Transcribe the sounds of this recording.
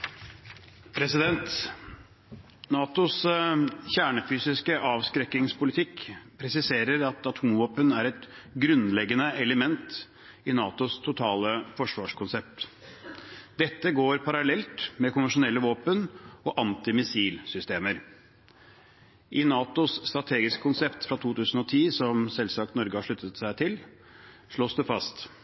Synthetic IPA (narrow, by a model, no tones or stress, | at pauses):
pʰɾɛsɪd̪ɛnt̪ | nɑːt̪ʊs | çæːɳəfyːsɪskəʔɑːʋskɾɛkːɪŋspʰʊlɪt̪ʰɪkpʰɾɛsɪseːɾəɾɑt̪ɑt̪ʰʊmʋoːpənæɾɛt̪ɡɾʉnlɛɡənəɛləmɛnt̪ | ɪnɑːt̪ʊst̪ʰʊt̪ʰɑːləfɔʂʋɑːʂkʊnsɛp̚t̪ | d̪ɛt̪ːəɡoːɾpʰɑɾɑlɛlt̪mɛkʰʊnʋən̩ʂʊnɛlːəʋoːpənɔʔɑnt̪ɪmɪsiːlsʏst̪eːməɾ | ʔɪnɑːt̪ʊsst̪ɾɑt̪ʰeːɡɪskə̥kʰʊnsɛpt̪fɾɑt̪ʰuːt̪ʰʉːsn̩ɔt̪ʰiːsɔmsɛlsɑk̚t̪nɔɾɡəhɑʂɭʉt̪ːət̪sæɪt̪ʰɪl | ʂɭoːsd̪ɛfɑst̪